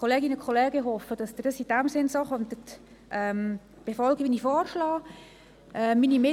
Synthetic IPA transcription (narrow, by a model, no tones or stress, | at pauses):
koleːɡɪnəkʰχolɛːɡəɦɔfəd̥ɑsd̪ədɑsid̥æmsɪnsoːχɔnt̪ət̪ | ʔɛːm | b̥efɔlɡəʋiːnifɔːrʃlɑː | ʔɛminimɪ